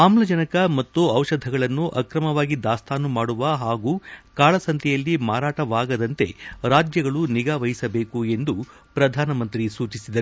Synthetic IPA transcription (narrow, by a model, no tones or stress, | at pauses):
aːmlɐd͡ʒɐnɐkɐmɐt̪ːuɐwʂɐd̪ʱɐɡɐɭɐnːuʔɐkɾɐmɐʋaːɡid̪aːst̪ʰaːnːumaːɽuʋɐɦaːɡuːkaːlɐsɐnt̪ʰjɛjɐlːimaːɾaːʈɐʋaːɡɐd̪ɐnt̪e̞ɾaːd͡ʒjɐɡɐɭuniɡaːʋɐjisɐbe̞ːkue̞nd̪u | pɾɐd̪ʱaːnɐmɐnt̪ɾisuːt͡ʃisid̪ɐɾ